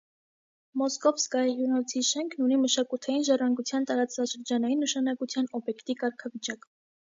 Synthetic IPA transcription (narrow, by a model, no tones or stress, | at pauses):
mɔskɔvskɑjjjunɔt͡sʰiʃɛŋkʰnuniməʃɑkut̪ʰɑjinʒɑrɑŋɡut͡sʰjɑnt̪ɑɾɑt͡sɑʃəɾd͡ʒɑnɑjinːəʃɑnɑkut͡sʰjɑnɔbjɛkt̪ikɑɾkʰɑvit͡ʃɑk